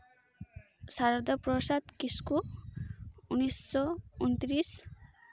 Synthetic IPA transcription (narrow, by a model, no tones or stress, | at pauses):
saɾʌd̪ʌprɔsat̪kisku | unisːɔunt̪ɾis